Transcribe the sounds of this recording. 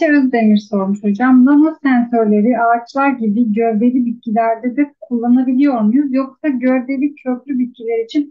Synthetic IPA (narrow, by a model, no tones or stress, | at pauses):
ɛøzd̪emiɾso̞ɾmuʃod͡ʒamd̪amosænsøɾlʲe̞ɾiʔaːt͡ʃlˠaɾɟibiɟøvbe̞lʲibit̪̚cʰilʲæɾd̪ɛd̪ɛkʰulˠːanabilʲijo̞ɾmujujoksaɟøɾb̪e̞lʲiøplʲybit̪̚cilʲeɾit͡ʃʰin